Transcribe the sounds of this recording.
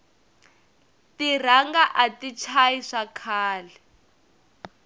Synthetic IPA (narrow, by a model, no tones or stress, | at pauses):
tir̤aŋɡaʔatit͡ʃʰaiʂakʰaːlɛ